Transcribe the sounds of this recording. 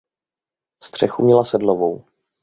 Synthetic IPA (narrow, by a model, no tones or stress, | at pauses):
st̪r̝̥ɛxumɲɛlasɛdlovow